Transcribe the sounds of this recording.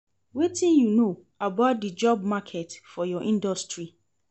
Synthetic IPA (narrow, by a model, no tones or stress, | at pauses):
wetʰĩnjuno | abat̚dɨd͡ʒɔb̚makʰɛtfɔjɔʔĩndɔstɹi